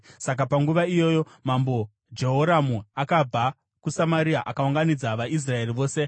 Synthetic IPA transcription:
sak̬apaŋɡuʋaijo̞jo̞mambo̞ | d͡ʒe̞ɦoɾamuakab͡vʱa | kusamaɾiaʔakauŋɡanid͡zaʋaʔis̬rae̞riʋo̞ːse

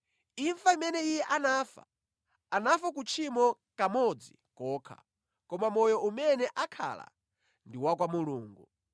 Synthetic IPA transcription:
iɱfaimɛnɛijɛʔanafa̰ | anafak̬ut͡ʃʰimɔ | kamɔd͡zi | kɔːkʰa̰ | kɔmamɔjɔʔumɛnɛʔakʰa̰la̰ | ndiwakwamuluːŋɡu

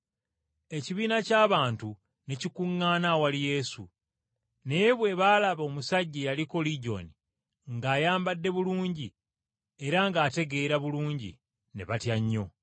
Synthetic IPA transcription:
e̞ciβiːnacaːβaːntu | ne̞cikuŋːaːnawalije̞ːsṵ | neβwe̞βaːlaβo̞ːmusaɟːijaliko̞liɟo̞̰ni | ŋɡaːjaːmbadːe̞βuluːɲɟi | e̞ɾaŋɡaːte̞ɡe̞ːɾaβuluːɲɟḭ | nḛβatjaɲːo̞

